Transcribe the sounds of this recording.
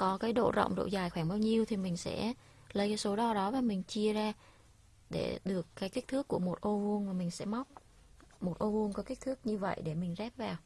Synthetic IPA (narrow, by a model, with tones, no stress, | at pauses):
kɔ˨˦kaː˨˦jɗo̰˧˨zə̰˧˨wŋ͡mzo̰˧˨zaː˨˩jxwaː˧˩nɓaː˧wɲi˧əwt̪ʰi˨˩mï˨˩ŋ̟sɛ̰˧˥ | lə˨˦jkaː˨˦jso˨˦ɗɔ˧˩ɗɔ˨˦vaː˨˩mï˨˩ŋ̟t͡ɕi˧əzaː˧ | ɗe˧˩ɗɨ˨˩əkkaː˨˦jki˦˥t̪ʰɨ˦˥kːu˧˩əmo˨˩t̚ʔo˧vu˧əŋmaː˨˩mï˨˩ŋ̟sɛ̰˧˥ma˦˥wk͡p̚ | mo˨˩t̚ʔo˧vu˧əŋkɔ˨˦ki˦˥t̪ʰɨ˦˥k̚ɲɨ˧və̰˧˨jɗe˧˩mï˨˩ŋ̟zɛ˦˥p̚vaː˨˩w